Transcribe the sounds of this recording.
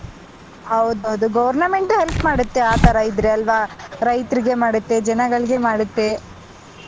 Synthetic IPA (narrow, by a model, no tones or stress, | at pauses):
ɦɐwd̪ɐwd̪uɡɐʋɐɾnɐmeɳʈɦelpmaːɽut̪ːeaːt̪ɐɾɐid̪ɾeɐlʋaɾɐjt̪ɾiɡe̞maːɽut̪ːed͡ʒɐnɐɡɐɭiɡe̞maːɽut̪ːe